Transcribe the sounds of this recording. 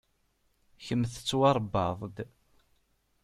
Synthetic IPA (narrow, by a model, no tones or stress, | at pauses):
çəmθə̥t͡sːwɑɾˤbːɑðˤd̪